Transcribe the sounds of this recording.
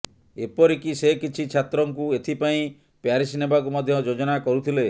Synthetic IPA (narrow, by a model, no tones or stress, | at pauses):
epɔɾikisekit͡ʃʰit͡ʃʰat̪ɾɔŋkuet̪ʰipaĩ | pjaɾisinebakumɔd̪ʱjɔd͡ʒod͡ʒɔnakɔɾut̪ʰile